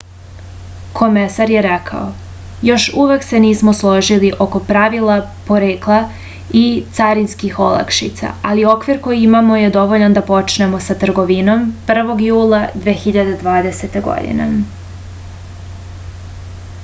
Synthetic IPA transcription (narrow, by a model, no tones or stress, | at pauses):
kʰo̞mesaɾje̞ɾɛkʰa̰o | jo̞ʃuʋe̞kse̞niːsmo̞slˠo̞ʒiliʔo̞ko̞pɾaʋilˠapo̞ɾeːklˠa | it̪saɾinskixo̞lˠa̰kʃit̪sa̰alio̞kʋiɾko̞jiimamo̞je̞d̪o̞ʋoʎand̪apo̞t͡ʃne̞mo̞sat̪r̩ɡo̞ʋino̞mpr̩ʋo̞ɡjuːlˠad̪ʋeːxiʎad̪e̞d̪ʋaːd̪ese̞t̪e̞ɡo̰d̪ḭnḛ